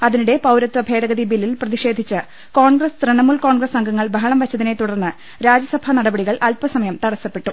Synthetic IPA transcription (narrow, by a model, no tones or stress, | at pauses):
ɐðiniɽe̞pɐwɾɐt̪ʋɐbʱe̞ːd̪ɐɣɐðibilːilprɐðiɕe̞ːd̪ʱit͡ɕːɨ | ko̞ːɳɡrɐst̪reɳɐmulko̞ːɳɡrɐsɐŋɡɐŋːɐɭbʱɐɦɐɳɐmʋɐt͡ɕːɐðine̞t̪uɽɐrnːɨ | ɾaːd͡ʑjɐsɐbʱanɐɽɐbɐɽiɣɐɭʔɐlpɐsɐmɐjɐmt̪ɐɽɐsːɐpːe̞ʈːu